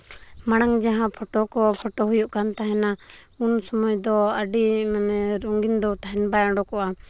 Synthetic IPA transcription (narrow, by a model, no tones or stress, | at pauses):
maɽ̃aŋd͡ʒaɦãpʰɔʈɔkɔpʰɔʈɔɦujuʔkant̪aɦɛna | unsɔmɔjd̪ɔaɖimanɛɾuŋɡind̪ɔt̪aɦɛnbajãɽɔkɔʔa